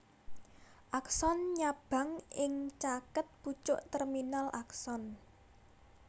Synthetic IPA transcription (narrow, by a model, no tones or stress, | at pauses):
ʔaksɔnɲab̥ä̤ŋʔɪŋt͡ʃakət̪̚put͡ʃʊ̰ʔt̪ɛrminalʔaksɔn